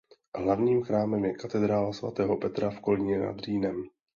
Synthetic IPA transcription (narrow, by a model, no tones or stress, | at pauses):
ɦlavɲiːmxɾaːmɛmjɛkat̪ɛd̪ɾaːlasva̰t̪ɛːɦo̞pɛt̪ɾafko̞lɪɲɛna̰d̪riːnɛm